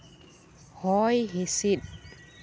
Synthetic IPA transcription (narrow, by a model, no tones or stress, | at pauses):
hɔːjɦesit̪̚